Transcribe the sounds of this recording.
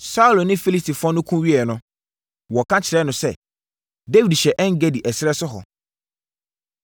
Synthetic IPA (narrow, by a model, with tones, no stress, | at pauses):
sa˦u˦lo˨nɪ̃˦fi˦li˦sti˨fʊ˦ɔ̃˦nʊ̃˦kʰũ˦ɥi˦ɛ˨nʊ̃˦ | wɔ˨kʰã˦t͡ɕʰɪ˨ɾɛ˦nʊ̃˨sɛ˦ | de˦wi˨dɕɛ˨ʔɛ˦ŋ̩˦ɡe˦di˨ʔɛ˨sɪ˦ɾɛ˦sʊ˦ɦɔ̰˨